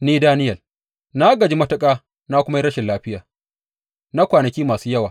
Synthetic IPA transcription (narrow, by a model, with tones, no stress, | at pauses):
niː˦daː˦nɪ˦jɐ˨l | na˦ɡɐ˨d͡ʒi˦mɐ˦tɐ˦kʼaː˦ | na˦kʷʊ˦ma˦ji˦ɽɐ˦ʃɪ˨nlaː˦ɸɪ˦jaː˨ | na˦kʷaː˨nɐ˨kʲiː˦maː˨suː˦jɐ˦waː˨